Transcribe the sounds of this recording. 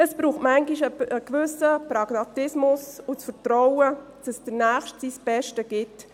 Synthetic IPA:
əsb̥ɾuːχtmæŋɡiʃəəkʋʏsəpɾɑɡ̥mɑtɪsmʊsʊt͡sfəɾtɾɔwədɑ̥səsd̥əɾnæːχʃtsisb̥ɛʃtəɡ̥ɪt

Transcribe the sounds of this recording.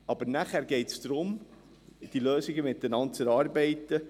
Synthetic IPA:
ɑb̥əɾnæχæːɾɡɛɪtsd̥ɾʊm | d̪̥iløːsɪɡəmɪt̪ːənɑnt͡sɛɾɑːɾbɛɪt̪ːə

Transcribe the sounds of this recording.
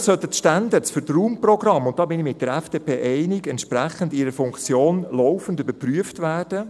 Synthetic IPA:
sœtətʃtandəsfʏɾtruːmprɔɡrɑmːʊnt̚d̥ɑːbɪnɪmɪt̚d̥əɾɛfd̥eːpʰeːʔɛɪnɪɡɛntʃpɾɛχəndɪɾəfʊŋkt͡sjoːnloʊfəndybəɾpryəftvæːrd̥ə

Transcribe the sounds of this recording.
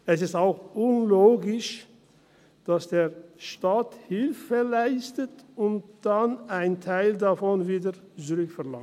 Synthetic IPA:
ɛsɪstaʊxʔʊnloːɡɪʃ | d̥asd̥eːʃtaːthɪlfəlaɪstətʊntd̥anaɪntʰaɪldafɔnviːdə | t͡suʁʏkfɛʁla̰ŋ

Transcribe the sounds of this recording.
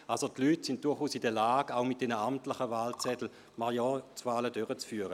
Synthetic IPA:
ʔalsotlyːtsɪnt̚d̥ʊɐχuːsidɛɐlaːɡaʊmɪt̚d̥ɛnəamtlɪχəvaːlt͡sɛtl̩ | maʁjɔt͡svaːlədøʁət͡sfyːɐʁə

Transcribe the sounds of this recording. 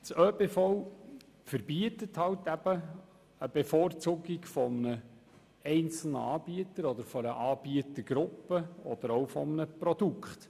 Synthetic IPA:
t͡søːbeːfɔw | fəɾbiətəthɑwtæb̥ə | əbefort͡suːɡiɡfɔmənə | ɛɪnt͡sl̩nəɑːb̥iət̪əɾɔd̪əɾfɔɾəʔɑːb̥iətəɡ̥ɾʊpːəɔ̰d̪̥əɾowfɔmənəpɾɔd̪ukχt̪

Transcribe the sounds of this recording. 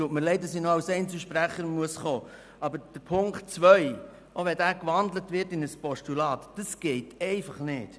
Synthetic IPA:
tuətməɾlɛɪdəsinoɑwsɛɪnt͡səʃpɾæχəɾmuəsχoː | ɑbəɾd̥əpʰʊŋkt̚t͡sʋœʏ | ʔoʋɛdæːkʋɑnd̪lətʋɪɾtɪnəspɔʃtulɑːtd̥ɑsɡ̥ɛɪtɛɪfɑχnɪːt

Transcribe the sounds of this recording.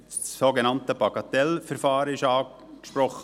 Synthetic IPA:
ssoɡenɑntəpɑɡɑt̪ɛlfɛɾfɑːɾəɪʃɑː | kʃpɾɔχə

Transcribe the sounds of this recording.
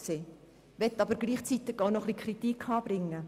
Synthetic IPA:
seː | ʋɛt̪ːɑbəɾɡliːχt͡sit̪ɪɡ̥ɑʊnɔχlikʰɾit̪ikʰɑːb̥ɾɪŋːə

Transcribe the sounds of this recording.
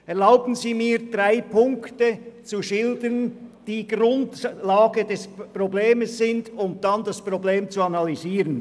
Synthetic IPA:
ɛʁlaʊbən̩ziːmiːd̥ʁaɪpʰʊŋktət͡suʃɪldənd̥iːɡʁʊntlaːɡədɛspʁobleːməssɪndʊnd̥andaspʁobleːmt͡suanɑliziːɾən

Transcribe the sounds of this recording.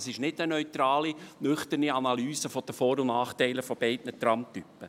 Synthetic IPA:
sɪʃnɪdənœʏt̪ɾɑːlinʏχt̪əniɑnɑlyːsəfɔd̥əfɔːɾʊnnɑːχtɛɪləfɔb̥ɛɪtnətɾɑmt̪ypːə

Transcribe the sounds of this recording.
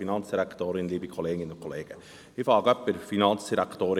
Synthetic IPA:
inɑnt͡sd̥iɾækt̪oːɾɪnliːbikʰoleːɡɪnʊkʰoleːɡ̥ə | ɪfɑːɡəœpːəɾfinɑnt͡sd̥iɾækt̪oːɾ

